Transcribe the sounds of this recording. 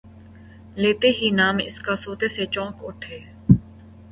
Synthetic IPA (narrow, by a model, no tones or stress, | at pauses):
leːt̪eɦiːnaːmɪ̰skasoːt̪eːset͡ʃɔ̃ːkʊʈʰeː